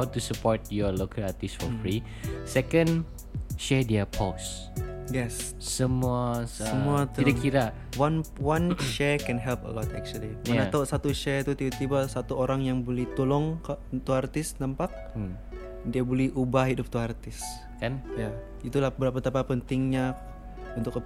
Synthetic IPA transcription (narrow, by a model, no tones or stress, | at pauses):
hawtusəpɔtjɔlokʰəlat̪isfɔfɾi | sɛkə̃n | ʃɛdəpʰos | jɛs | səmuassəmuat̪idakːiɾa | wanwanʃɛkɛnɦɛlpə̰lɔt̪ɛ̰k̚t͡ʃuəlimanat̪awʔsat̪uʃɛt̪ut̪ibat̪ibasat̪uoɾaŋjaŋbolɛht̪ulɔŋkt̪uart̪ɪsnampak̚ | diabolɛhʔubahɦidʊp̚t̪uart̪ɪs | kanja | it̪ulahbəɾapat̪apapənt̪ɪŋɲa | unt̪ʊkə